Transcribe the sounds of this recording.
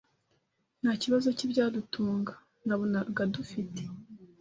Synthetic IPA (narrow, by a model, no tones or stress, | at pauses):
n̥haːciβazo̞cibɟaːdutʰuːŋɡḁ | naβonaɡadufite̥